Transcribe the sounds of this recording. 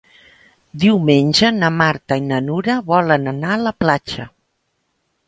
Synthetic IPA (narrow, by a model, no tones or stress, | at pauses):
d̪iwmenʲʒənəmaɾt̪əinənuɾəβɔlənənaələplat͡ʃə